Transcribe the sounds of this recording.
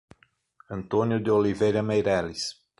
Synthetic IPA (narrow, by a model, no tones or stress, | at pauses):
ɐ̃nt̪õnjʊd̪ɪolivejɾɐmejɾɛlis